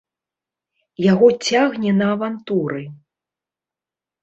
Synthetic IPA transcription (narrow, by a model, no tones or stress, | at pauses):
jaɣɔt͡sʲaɣnʲɛnɐːvant̪uɾɨ